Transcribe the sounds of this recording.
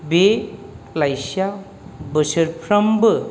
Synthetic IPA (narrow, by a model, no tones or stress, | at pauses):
be | lajsja | bɯsɯɾpʰɾɐmbɯ